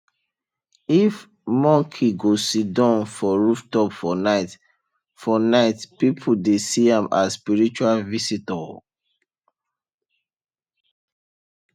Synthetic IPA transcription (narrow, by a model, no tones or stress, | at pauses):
if | mɔ̃ŋkʰiɡosidãnfɔɹuftɔpfɔnaɪt | fɔnaɪtpipʰudesiãma̰spiɹit͡ʃualvisitɔ